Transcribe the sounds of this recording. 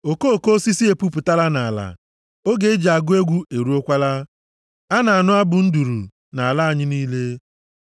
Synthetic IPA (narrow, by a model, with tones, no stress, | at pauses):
o˨ko˦o˨ko˦o˦si˦si˦e˨pu˦pʊ˨ta˦la˦na˨a˨la̰˨ | o˦ɡe˦d͡ʒa˨ɡʊ˦e˦ɡʷu˦e˨ɾu˦o˦kʷa˦la˦ | a˦na˨a˨nʊ˦a˦bʊ˨n̩˦du˨ɾṵ˨ | na˨a˨la˦a˨ɲɪ˦niː˦le˦